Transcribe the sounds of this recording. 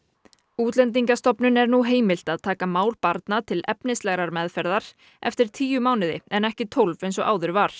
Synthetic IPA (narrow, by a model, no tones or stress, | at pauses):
uːt̪lɛnt̪̬iŋkast̪ɔpnʏnɛɾnuɦeːjmɪl̥t̪aðt̪ʰaːkamaːwlpaɾt̪nat̪ʰɪlɛ̰pnɪst̪lɛɣɾaɾmɛðfɛɾðaɾ̥ | ʔɛ̰ft̪ɪɾ̥t̪ʰiːjʏmaːwnɪðɪ̰ɛnɛhcɪt̪ʰowlvejnsɔɣʔa̰ːwðʏɾvaɾ̥